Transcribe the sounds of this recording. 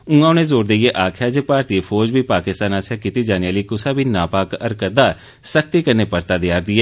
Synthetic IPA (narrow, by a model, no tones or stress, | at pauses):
ũãːʊnẽːzoːɾd̪eeːʔaːkʰaːd͡ʒeːpaːɾt̪ipʰoːɾd͡ʒbiːpaːkɪst̪aːnaːsɪjaːkit̪iːd͡ʒaːneaːliːkʊsaːbiːnaːpaːkəɾkəd̪aː | sək̚t̪iːkəɾneːpəɾt̪aːd̪ɪjaːɾd̪ɪɛː